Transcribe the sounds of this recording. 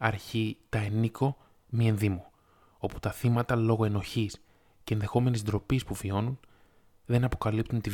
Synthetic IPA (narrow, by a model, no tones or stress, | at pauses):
ɐɾçit̪ɐeniko̞ | mie̞nðimo | o̞pu̥t̪ɐθimɐt̪ɐlo̞ɣo̞e̞no̞çis | ce̞nðe̞xo̞me̞nizd̪ɾo̞pispuvio̞nun | ðenɐpo̞kɐlip̚t̪unt̪i